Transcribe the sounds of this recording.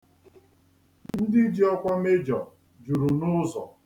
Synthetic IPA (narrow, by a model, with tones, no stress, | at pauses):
n̩˦dɪ˦d͡ʒi˦ɔ˦kʷa˦me˦d͡ʒɔ˨ | d͡ʒu˨ɾu˨nʊ˦zɔ˨